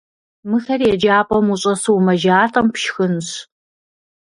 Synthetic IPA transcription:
mɨxɐrjɛd͡ʒaːpʼɔmuɕʼɐsuwmɐʒaːtʼɐmpʃxɨnɕ

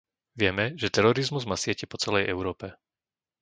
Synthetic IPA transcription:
ʋɪɛmɛʒɛt̪ɛɾɔɾizmuzmaːsɪɛcɛpɔt͡sɛlɛjʔɛʊɾɔːpɛ

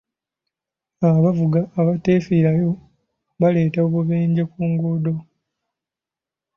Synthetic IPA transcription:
aβavuɡaːβate̞fiɾajo̞ | βale̞ːtaoβuβeːɲɟekuːŋɡudo̞

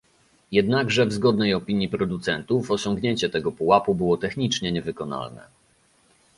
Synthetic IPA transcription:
jɛd̪naɡʐɛvzɡɔd̪̚nɛjɔpʲiɲjipɾɔd̪ut̪sɛnt̪uvɔɕɔŋɡɲeɲt͡ɕɛt̪ɛɡɔpuwapubɘwɔt̪ɛxɲit͡ʂɲɛɲɛvɘkɔna̰lnɛ̰

